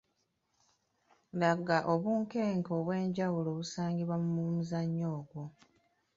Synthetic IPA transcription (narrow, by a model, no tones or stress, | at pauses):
laɡaʔoβuːŋke̞ːŋkoːβwe̞ːɲɟawulo̞ːβusaːŋɡiβwamumumuzaɲːo̞ːɡwo